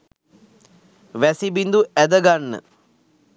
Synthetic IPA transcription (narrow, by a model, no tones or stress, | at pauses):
ʋæsibind̪uʔæd̪əɡanːə̰